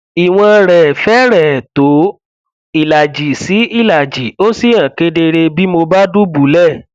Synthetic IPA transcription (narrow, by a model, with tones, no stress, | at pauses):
i˨w̃ɔ̃˧ɾɛ˨fɛ˨˦ɾɛ˨to˨˦ | i˨la˨d͡ʒi˨˦si˨˦i˦˨la˨d͡ʒi˨˦o˦si˦˨ã˨ke˧˦de˧ɾe˧bi˦mo˧ba˦du˦bu˨˦lɛ˦˨